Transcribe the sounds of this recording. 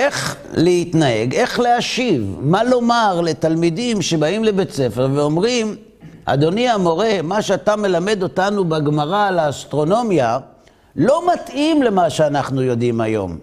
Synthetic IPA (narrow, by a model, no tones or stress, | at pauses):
ʔe̞χ | leit̪nae̞ɡe̞χleaʃivmalo̞maʁle̞talmidimʃe̞baimle̞bet͡se̞feʁveo̞mʁim | a̰d̪o̞niamo̞ʁe̞maʃeatame̞lame̞d̪o̞tanubaɡmaʁalaːst̪ʁo̞no̞mja | lo̞matʔimle̞maʃeanaχnujo̞dimajo̞̰m